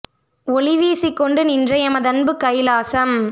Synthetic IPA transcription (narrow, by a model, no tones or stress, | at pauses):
ɔɭɪʋiːsɪkːɔɳɖɯnɪndrɐjɐmɐðɐnbɯkɐɪlaːsɐm